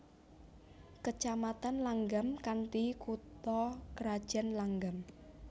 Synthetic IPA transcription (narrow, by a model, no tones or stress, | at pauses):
kət͡ʃamat̪anlaŋɡamkant̪ikut̪ɔkəɾad̥ʒ̥a̤nlaŋɡam